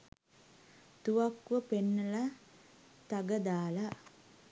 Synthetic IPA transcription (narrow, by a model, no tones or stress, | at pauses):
t̪uʋakʋəpenːəla | t̪aɡəd̪aːla